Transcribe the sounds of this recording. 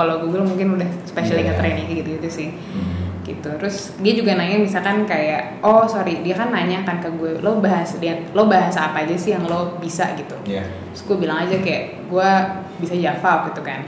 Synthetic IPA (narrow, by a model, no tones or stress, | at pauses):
kaloɡuaɡuamuŋkɪnudahspeʃaleɡat̪ɾenaŋɡit̪uɡit̪usɪh | ɡ̥ḭt̪ut̪ɾʊs | diad͡ʒuɡanaɲamisakankajaʔ | ɔsoɾidiakanːaɲakankaɡualowbaɦasadianlowbaɦasaːpaːd͡ʒasɪhjaŋlobisa̰ɡit̪u | ʊ̥sɡuabilaŋad͡ʒakajaʔ | ɡua | bisad͡ʒafap̚ɡit̪uka̰n